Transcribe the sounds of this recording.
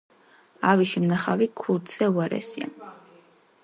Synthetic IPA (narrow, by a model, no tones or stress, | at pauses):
aviʃimnaχavikʰult̪sɛuaɾɛ̰sia̰n